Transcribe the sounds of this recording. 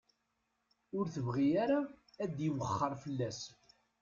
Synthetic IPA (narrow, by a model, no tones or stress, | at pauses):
ʊɾθəvʁijaɾaːd̪jiwəχːəɾˤfəlːæs